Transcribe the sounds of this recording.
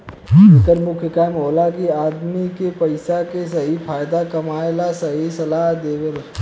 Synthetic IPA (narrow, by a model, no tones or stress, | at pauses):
ɪkəɾmʊkʰjəkamɦoːlakiaːd̪mikepɐɪsakesɐɦipʰaːjd̪akɐmaːelasəɦisɐlaɦd̪eːʋəl